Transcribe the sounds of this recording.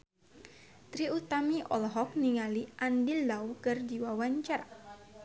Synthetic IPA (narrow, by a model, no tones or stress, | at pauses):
t̪ɾiut̪amiʔɔ̰lɦɔk̚niŋaliʔandilːawkɨrdiwawaɲt͡ʃara